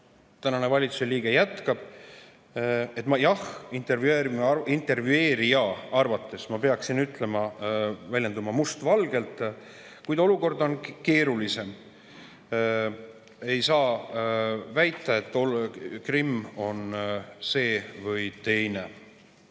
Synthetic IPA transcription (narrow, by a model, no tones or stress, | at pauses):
t̪ænɑne̞vɑlʲit̪su̥seliːɡe̞jæt̪kɑb̥ | e̞t̪ːˑmɑjɑhint̪e̞rvjueːɾimint̪e̞rvjue̞ːɾijɑɑrvɑt̪ˑːe̞smɑpe̞ɑksinyt̪ˑle̞mɑvælʲjed̪umɑmust̪vɑlɡ̥e̞lt̪ːˑ | kujd̪o̞luko̞rd̪o̞nke̞ːɾulise̞m | e̞jsɑː | væjt̪ːˑɑet̪ːˑokrimːo̞nse̞ːvɤjt̪e̞jne